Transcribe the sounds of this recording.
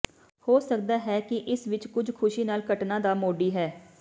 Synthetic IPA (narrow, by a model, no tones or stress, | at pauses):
hoːsək̚d̪aːɦɛːkɪʔɪsʋɪt͡ʃkʊd͡ʒkʰʊʃiːnaːlkəʈnãːd̪aːmoːɖiːɦɛː